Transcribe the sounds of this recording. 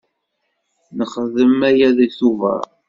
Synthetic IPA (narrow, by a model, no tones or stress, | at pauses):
nəχəðəmæjæðisuvə̰ɾ